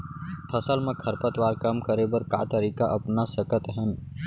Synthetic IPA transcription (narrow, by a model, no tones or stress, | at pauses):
pʰɐsəlmẽkʰɐɾpət̪waːɾkɐmkɐɾebɐɾka̰ːt̪əɾiːkaʔɐpnasɐkət̪ɦən